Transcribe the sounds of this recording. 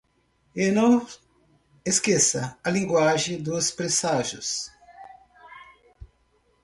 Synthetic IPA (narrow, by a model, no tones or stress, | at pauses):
enɐ̃w̃ | eskesɐɐlĩŋɡwaʒẽj̃d̪ʊspɾesaʒʊ̰s